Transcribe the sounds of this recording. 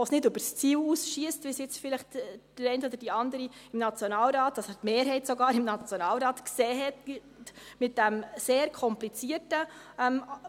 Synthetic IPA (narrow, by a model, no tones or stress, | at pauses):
osnɪdʏbəɾst͡siːlusʃiəstʋisjɪt͡sfɪlɪχtd̥ɪɾɛɪntɔd̪əd̥iɑndəɾiɪmnɑt͡sjonɑːlɾɑːt̚ːɑsɛtmeːɾɦɛɪtsɔɡɑːɾɪmnɑt͡sjonɑːlɾɑːtksɛːɦɛt | tmɪt̚d̥æmseːɾkʰɔmplit͡siətəɛm